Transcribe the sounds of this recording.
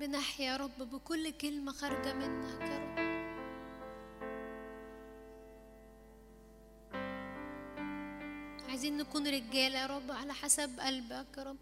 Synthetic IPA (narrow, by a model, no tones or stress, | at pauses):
bɪnaħjæɾˤɑbːbɪkʊlːkelmæxɑɾˤɑɡæmɪnːækɑɾˤɑb | ʕajziːnːækuːnɾɪɡæːljæɾˤɑbːʕalæħasæbʔælbækɑɾˤɑb